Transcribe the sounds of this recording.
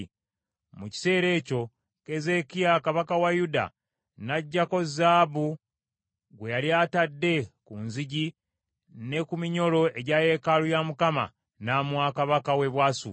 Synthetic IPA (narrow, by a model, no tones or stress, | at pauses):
muci̥se̞ːɾe̞ːco̞ | ke̞ze̞kiakaβakawajuda̰ | naɟːako̞zaːbu | ɡwe̞jaljaːtadːe̞kunziɟi | ne̞kumiɲo̞lo̞e̞ɟaːje̞kalujamukama̰ | naːmwakaβakawe̞βwaːsṵ